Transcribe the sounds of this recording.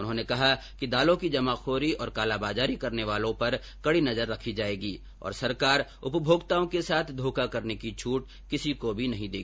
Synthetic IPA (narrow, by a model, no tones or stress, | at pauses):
ʊnɦõːnekɐɦa | kid̪aːlõkid͡ʒɐmaːxʰoːɾiɔːɾkaːlabaːzaːɾikɐɾneʋaːlõpɐɾ | kɐɽinɐzəɾːɐkʰid͡ʒaːeːɡiː | ɔ̰ːɾsɐɾkaːɾʊpbʱoːɡt̪aːõkesaːt̪ʰd̪ʱoːkakɐɾnekit͡ʃʰuːʈ̚ | kɪsikobʱinɐɦĩd̪eːɡiː